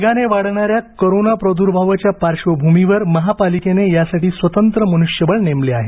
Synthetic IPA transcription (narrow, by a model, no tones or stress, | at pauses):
ɡaneʋaɽɳaɾjakoɾonapɾəd̪ʱuɾbʱaʋat͡ɕjapaɾʂʋəbʱumiʋəɾməɦapalikenejasaʈiːsʋət̪ənt̪ɾəmənuʂjəbəɭnemleaɦe